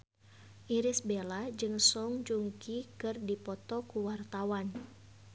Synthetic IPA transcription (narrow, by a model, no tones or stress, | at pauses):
ʔiɾisbelad͡ʒɨŋsɔŋd͡ʒuŋkikɨrdipɔt̪ɔkuwart̪awan